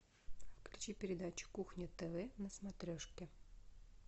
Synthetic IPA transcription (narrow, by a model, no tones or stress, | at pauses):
fklʲʉt͡ɕipʲɪɾʲɪd̪at͡ɕɪ̥kuxnʲɪt̪ɛvɛnəsmɐt̪ɾʲoʂkʲɪ